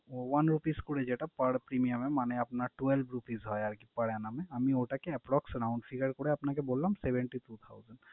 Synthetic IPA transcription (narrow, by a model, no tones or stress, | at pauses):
wanɾupiskoɽed͡ʑeʈapaɽpɾimijamemaneapnaɾʈuelbʱɾupizɦɔeaɾkipaɽeanameamioʈakeɛpɾɔksɾawɳɖfʰiɡəɾkoɽeapnakebolːamsebeɳʈit̪ʰut̪ʰawzaɳɖ